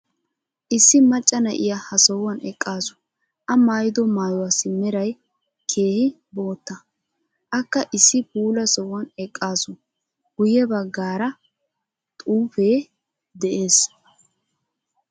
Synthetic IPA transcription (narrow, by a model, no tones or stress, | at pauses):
ʔɪsːɪmɐt͡ʃʼːɐnɐ̰ʔɪ̰jahɐsɔwːɐnʔɛkʼːaːsʊ̥ | ʔɐmaːjɪd̪ɔmaːjɔwasɪmɛɾɐj | kʰe̞ːhɪ | bo̞ːt̪ːɐ | ʔɐkːɐʔɪsːɪbuːlɐsɔwːɐnɛkʼːaːsʊ | ɡ̥ʊjɛbɐɡːaːɾɐ | t̪ʼuːfe̞ː | d̪ɛʔeːs